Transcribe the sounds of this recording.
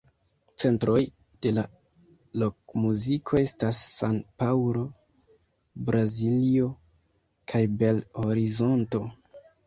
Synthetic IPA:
t͡se̞ntɾo̞j | d̥e̞la | lo̞kmuzikʰo̞e̞stasːanpawɾo̞ | bɾazilio̞ | kʰajbe̞loɾizo̞nto̞

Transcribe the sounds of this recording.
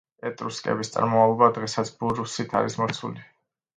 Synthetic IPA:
pʼɛt̪ʼɾuskʼɛ̰bist̪sʼa̰ɾmɔmavlˠɔbad̪ʁɛsat̪sʰbuɾusit̪ʰa̰ɾismɔɾt̪sʰṵli

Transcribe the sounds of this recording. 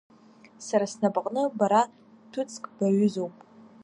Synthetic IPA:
saɾasnabqʼnɨbaɾa | tʰʊt͡sʰʼkʼb̥aɥʏzowpʼ

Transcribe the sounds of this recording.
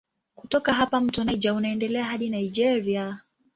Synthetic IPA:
kutɔkaɦapam̩tɔnaid͡ʒaunaɛndɛlɛaɦaɗinaid͡ʒɛɾia

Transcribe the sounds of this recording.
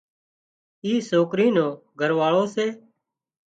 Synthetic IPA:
iːsoːkɾiːnõːɡʱəɾʋaːɭoːseː

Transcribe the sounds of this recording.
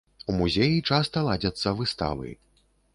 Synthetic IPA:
umuzʲejit͡ʂast̪ɐlˠad͡zʲɐt̪sːɐvɨst̪a̰vɐ̰j

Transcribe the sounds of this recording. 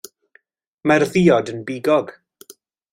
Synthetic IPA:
marðiːɔdənbiːɡɔɡ̥

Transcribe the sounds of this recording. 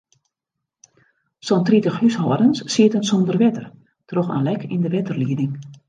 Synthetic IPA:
sɔntritəxhyshɔːədənsːiətənsondərʋɛtər | troxa̰ːnlɛkʰindəʋɛtərliədɪŋ

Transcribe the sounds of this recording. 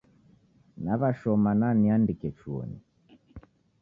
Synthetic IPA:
naβaʃɔmananiandikɛt͡ʃuɔ̰nḭ

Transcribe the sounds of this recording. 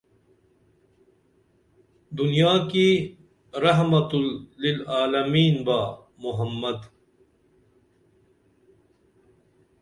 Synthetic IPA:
d̪unijaːki | ɾɐɦmɐt̪ːilaːlɐmiːnbaː | mʊɦɐmːɐd̪

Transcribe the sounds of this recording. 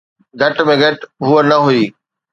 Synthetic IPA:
ɡʱɐʈmẽɡʱɐʈɦuənɐɦuiː

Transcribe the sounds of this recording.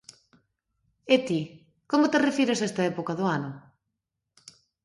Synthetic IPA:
et̪i | komʊt̪erefiɾesaest̪ɐɛpokɐðʊanʊ

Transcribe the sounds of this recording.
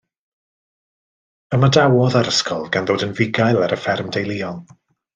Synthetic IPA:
əmadawɔðaɾəskʰɔ̰lˠɡanðoːdənvɪɡajlˠaɾəfɛrmdejlˠiːɔlˠ

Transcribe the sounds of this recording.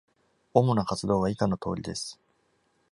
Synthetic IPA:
o̞monakat͡sɨd̪o̞ːβ̞aikano̞t̪o̞̰ːɾʲid̪e̞sɨ̥

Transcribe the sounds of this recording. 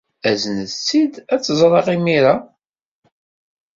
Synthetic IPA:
æzənəðt͡sːid̪æt͡sːəzˤɾˤɑʁimiɾa

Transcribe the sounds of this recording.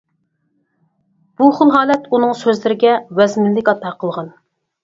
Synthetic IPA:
b̥uχʊlˠɦɑːlɛt̪ʰunɨŋsøzlɪɾɪɡʲɛwɛzmɪlːɪkʲɑt̪ʰːɑqʰəlˠʁɑn

